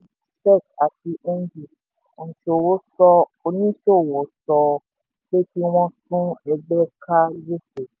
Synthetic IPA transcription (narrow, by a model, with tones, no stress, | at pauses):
sɛ˦˨ka˨ti˧ʔe˦n˦d͡ʒi˦˨ | ñ̩˨t͡ʃo˨wo˦sɔ˧o˧nĩ˦ʃo˦˨wɔ˨˦tɔ˧ | le˦ti˦w̃ɔ̃˦sũ˦ɛ˧ɡ͡bɛ˦kʰa˦je˦se˨